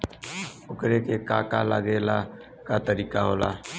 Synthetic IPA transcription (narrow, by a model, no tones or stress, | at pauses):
ʊkɾekekaːkalaːɡelaː | kat̪əɾiːkaɦoːla̰ː